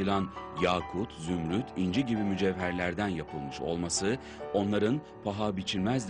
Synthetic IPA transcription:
ɯlˠanjaːkʰut̪ʰzymɾyt̪ʰind͡ʒiɟibimyd͡ʒɛvːæɾlʲæɾd̪ænjapʰɯlˠmɯʃo̞̰lˠmasɯ | o̞nlˠaɾɯn | pʰaɦabit͡ʃʰiɾʲmæzd̪ʲ

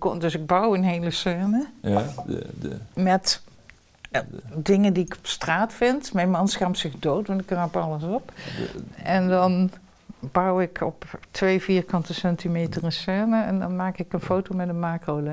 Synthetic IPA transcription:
kdɵsɪɡ̚bɑwənɦejləsɛɹnə | mɛt | dɪŋəndiɪkɔ̥pstraːtfɪntmɛjnmɑnsχaːmsɪxdowtʋɑntɪkraːpɑləsɔp | ʔɛndɑn | bʌwɪkʰɔptʋejviːrkɑntəsɛntimejtərənsɛɹnəɛndɑ̰nmaːkɪkənfowtowmɛdənmaːkowlə

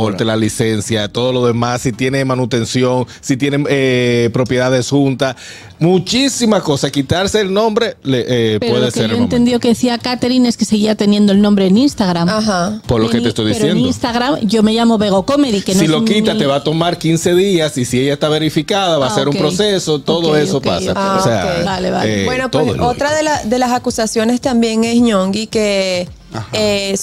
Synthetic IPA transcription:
olt̪elalise̞nsjat̪o̞ðo̞lo̞ðe̞masːit̪je̞nemanut̪e̞nsjo̞ŋ | sit̪je̞neepɾo̞pje̞ðaðe̞sxunt̪as | mut͡ʃisimako̞sakit̪aɾse̞ːlnõ̞mbɾe̞leʔepeweðeskeɾoent̪end̪jokeðeθiakat̪eɾine̞skese̞ɣiat̪e̞nje̞nd̪oelnõmbɾe̞ːninst̪aɣɾamɦapoɾloket̪est̪ojðisjenionst̪aɣɾamɟ͡ʝo̞me̞ʝamo̞βe̞ɣ̞o̞ko̞me̞ðikenosilokit̪at̪eβat̪o̞maɾkinse̞ðiasisieʝaest̪aβe̞ɾifikaðaβaseɾumepɾo̞se̞so̞t̪o̞ðoesokpa̰sa̰osea̰ebaleβa̰ebwenopt̪oðo̰ot̪ɾaðelasd̪e̞lasakusasjo̞nest̪ambje̞ŋe̞sɲoŋɡike | e

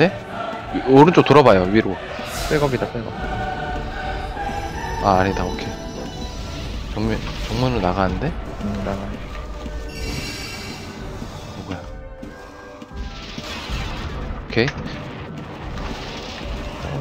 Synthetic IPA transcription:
de̞ | oɾɯnt͡ɕ͈otoɾʌbajoɥiɾo | p͈eɭɡʌmidap͈eɭɡʌp̚i | aaɲidaokʰe̞ | t͡ɕoŋmt͡ɕoŋmunɯɭnaɣanɯnde̞naɡa | oɡoja | okʰe

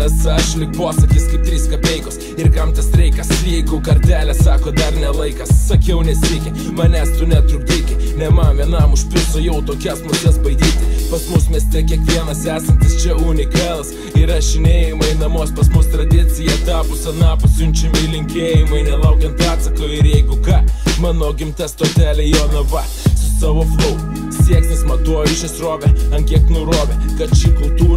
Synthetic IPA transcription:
ɛsɐʃlʲɪk̚poːsɐkʲiskɐɪp̚t̪ʲɾʲiːskɐpʲɛɪkos | ɪɾkɐmt̪ʲɛsɾʲɛɪkɐsʲjɛɪɡʊkɐɾʲt̪ʲæːlʲɛssɑːkoːd̪ɐrnʲɛlˠɐɪkɐssɐkʲɛʊnʲɛsʲɪkʲɪ | mɐnʲæst̪ʊnʲɛt̪ɾʊpʲd̪ʲɪːkʲɪnʲɛmɑːmʲɛnɑmʊʃʲpʲɪsʊjɛʊt̪oːkʲɛsmʊt̪ʲɛsbɐɪd̪ʲiːt̪ʲɪpɐsmʊsmʲɛst̪ʲɛkʲiɛkʋʲiɛnɐsæːsɐnʲt̪ʲɪst͡ʃʲɛuːnʲɪkɑːlˠɐs | ɪɾɐʃʲɪnʲeːjɪmɐɪnɐmoːspɐsmʊst̪ɾɐd̪ʲɪt͡ssʲɪjɛt̪ɑːpʊsɐnɑːpɐsʲʊnʲt͡ʃʲɪmɪɪlʲɪŋʲkʲeːjɪmɐɪnʲɛlˠɐʊkʲɛnt̪ɑːt̪sɐkoːjɪɾjɛɪɡʊkɑːmɑːnoːɡʲɪmʲt̪ʲɛst̪oːt̪ʲæːlʲɛjoːnɐbɐ | sʊsɑːʋoːflˠoʊ | sʲiɛksnʲnʲɪsmɐt̪uɔjɪʃʲɪsɾoːbʲɛɐnkʲiɛk̚nʊɾoːbʲɛkɐt̪t͡ʃʲiːkʊlˠt̪uː

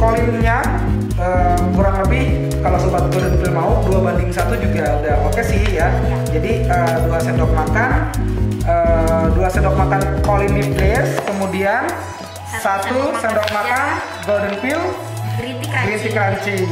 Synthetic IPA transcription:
kolɪnɲa | əkuɾaŋləbɪh | kalasubat̪̚bərdənpɪlmaʊduabandɪŋsat̪ud͡ʒuɡaːdapakɛsiɦja | d͡ʒadiəduasɛndɔk̚makan | əduasɛndɔk̚makankoliniplɛskəmudian | sat̪usɛndɔk̚makan | bərdənfɪl | ɡɾisikant͡ʃi

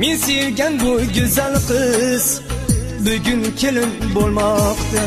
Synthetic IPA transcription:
mensejɪlɡʲanbʊɡʲʊzalqʰɨz̥ | bʊɡʲʊnkʲʰelɪmbolˠmɒqt̪ʰa

